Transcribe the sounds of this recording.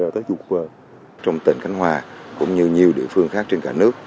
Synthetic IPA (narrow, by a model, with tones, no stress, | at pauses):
əː˨˩t̪əː˨˦jt͡ɕu˨˩k̚vəː˨˩ | t͡ɕɔ˧wŋ͡mt̪ï˧˩ŋ̟ka˨˦jŋ̟hwaː˨˩kʊ̰˧˥ŋ͡mɲɨ˧ɲi˨˩əwɗḭ˧˨əfɨ˧əŋxaː˦˥k̚t͡ɕe˧nka̰ː˧˩nɨ˦˥ək̚